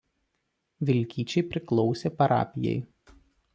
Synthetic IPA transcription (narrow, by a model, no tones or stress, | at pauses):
ʋʲɪlʲkʲiːt͡ʃʲɛɪpʲɾʲɪklˠɒʊsʲeːpɐɾɑ̰ːpʲɪjɛ̰ɪ